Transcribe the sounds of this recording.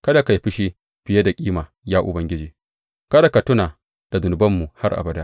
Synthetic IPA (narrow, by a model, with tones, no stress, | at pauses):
kɐ˦da˨ka˨jɸɪ˦ʃi˦ | ɸɪ˨jɐ˦da˨kʲʼiː˦maː˨ | jaː˦ʔʊ̰˨bɐ˦ŋɡʲɪ˦d͡ʒeː˨ | kɐ˦da˨ka˨tʊ˦naː˨ | d̥a˨dʊ˨nʊ˨bɐ˦mːu˨ha˦rʔa̰˨bɐ˨da˦